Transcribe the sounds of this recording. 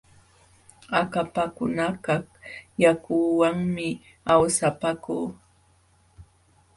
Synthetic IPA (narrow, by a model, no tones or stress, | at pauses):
akapakʊnakahjakuwaŋmɪ | awsapakuː